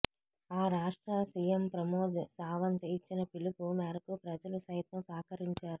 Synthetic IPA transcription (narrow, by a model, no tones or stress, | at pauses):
aːɾaːʂʈɾɐsijempɾɐmɔːd̪saːʋɐnt̪iit͡ʃːinɐpilipumɛːɾɐkupɾɐd͡ʒɐlusɐjt̪ɐmsaːkʰɐɾiɲt͡ʃaːɾu